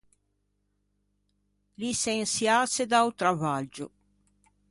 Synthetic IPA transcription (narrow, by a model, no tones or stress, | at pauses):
lisensjaːsed̪awt̪ɾavad͡ʒʊ